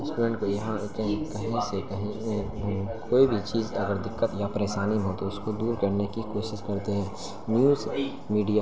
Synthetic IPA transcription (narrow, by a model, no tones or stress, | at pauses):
ɪ̃nsʈuːmẽːɳʈkojɐɦãkɐɦĩkɐɦĩsekɐɦĩ | koːibʱit͡ʃiːzɐɡəɾd̪ɪkːət̪japɐɾeːʃaːnimɦõt̪oʊskod̪uːɾkɐɾnekikoːʃɪʃkɐɾt̪eɦɛ̃ː | njuːz | miːɖija